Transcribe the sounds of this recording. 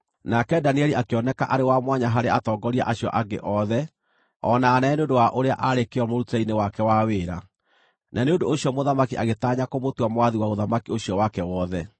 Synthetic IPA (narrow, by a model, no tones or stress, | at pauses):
nakɛdaniɛliʔakeɔnɛka̰ʔaɾewamwaɲaɦaɾeatɔːɡɔɾia̰ʔaɕjɔ̰ʔaɡḛʔɔðɛ | ɔnaːnɛːneondowaʔoɾea̰ʔaɾekeɔmoɾutainewakɛwaweːɾa | nʔaneondoːɕjɔmoðamakiʔaɣetaɲakomotwamwaðiwaoðamakioɕjɔwakɛwɔðɛ